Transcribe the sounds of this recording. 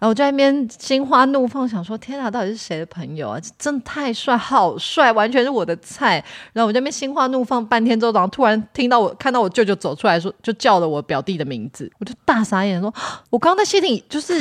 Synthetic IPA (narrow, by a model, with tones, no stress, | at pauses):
a˧˥wt͡ɕjpjɛ˥nɕi˥nxwa˥nu˥˧fɑ˥˩ŋɕ̬jɑ˨˩ŋʂwɔ˥t̪ʰjɛ˥na˨˥˩t̪ɑ˥˩ʊti˨˧˩ʂɻ̩˥˧˩e˧˥ɪd̪ə˧pʰə˧˥ŋjo˨˩ʊa̰˨˩t͡ɕo˥˧ʈ͡ʂə˥˧ŋə˩t̪ʰa˥˧ɪswa˥˩ɪxɑ˨˩ʊswa˥˩ɪwa˧˥nt͡ɕʰɥɛ˧˥nʂɻ̩˥˩wɔ˨˩d̪ə˦t͡sʰa˥˩ɪa˨˧˥ɔ˨˩˥pjɛ˥ɕi˥ŋxwa˥nu˥˧fɑ˥˧ŋpa˥˩nt̪ʰjɛ˥nt͡so˧˥ʊʈ͡ʂɑ˨˩ŋt̪ʰu˥ɻa˧˥nt̪ʰi˥ŋt̪ɑ˥˩ʊwɔ˨˩kʰnt̪ɑ˥˩wɔ˨˩t͡ɕjt͡ɕo˥˩ʊt͡so˨˩ʊʈ͡ʂʰu˥la˧ɪʂ̬ɔ˥t͡ɕjo˥˧ʊt͡ɕjɑ˥˩ʊlə˩wɔ˧˥pjɑ˨˩ʊt̪i˥˩d̪ə˩mi˧˥ŋd͡zɹ̩˨wɔ˨˩t͡ɕjo˥˧˩t̪a˥˩sa˥jʂwɔ˥˩wɔ˨˩kɑ˥ŋʰ˥a˥˧ɕi˥t̪ʰi˨˩ŋt͡ɕjo˥˧ʊʂɻ̩˥˩